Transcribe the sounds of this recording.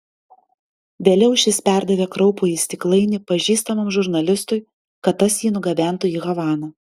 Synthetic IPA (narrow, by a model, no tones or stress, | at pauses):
ʋʲeːlʲɛʊʃʲɪsʲpʲæˑɾd̪ɐʋʲeːkɾɐʊpoːjiːsʲt̪ʲɪklˠɐɪnʲɪpɐʒʲiːst̪ɐmɐmʒʊɾnɐlʲɪst̪ʊɪ | kɐt̪ːɐsjiːnʊɡɐʋʲæˑnt̪ʊiːɣɐʋɑːnɐ